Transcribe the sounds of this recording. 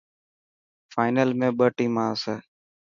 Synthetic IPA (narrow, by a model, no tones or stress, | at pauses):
faːɪnəlmẽːɓəʈĩːmãːseː